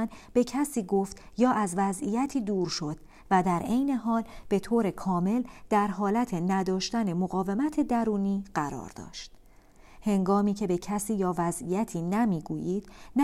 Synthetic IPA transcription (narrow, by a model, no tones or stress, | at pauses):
nb̥e̞cʰæsiːɡo̞ft̪jɒːʔæzvæzijæt̪ʰiːd̪uːɾʃo̞d̪̥̚ | væd̪æɾʔejne̞ɦɒːlb̥e̞t̪ʰoːɾe̞kʰɒːme̞ld̪̥æɾɦɒːlæt̪ʰenæd̪ɒːʃt̪æne̞moɣɒːve̞mæt̪ʰe̞d̪æɾuːniːɢæɾɒ̰ːɾd̪ɒ̰ːʃt̪ | he̞ŋɡɒːmiːcʰe̞be̞cʰæsiːjɒːvæzijæt̪ʰiːnæmiːɡuːjiːd̪̥n